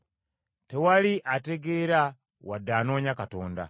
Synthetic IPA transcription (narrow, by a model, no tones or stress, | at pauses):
te̞waliʔate̞ɡe̞ɾa | wadːaːno̞ːɲakato̞ːnda̰